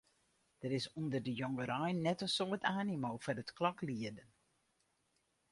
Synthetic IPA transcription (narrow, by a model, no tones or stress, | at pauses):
d̥əɾɪsundərdəjɔŋɡəɾɛjnːɛtənsoətʰaːnimoːfɔnətklɑkliədən